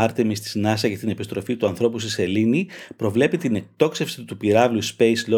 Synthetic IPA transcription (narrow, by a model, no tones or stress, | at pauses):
ɐɾt̪emist̪i̥znɐsɐcɐt̪ine̞pist̪ɾo̞fit̪uɐnθɾo̞pusiselinipɾo̞vle̞pit̪ine̞k̚t̪o̞kse̞fsi̥t̪upiɾɐvluspejslo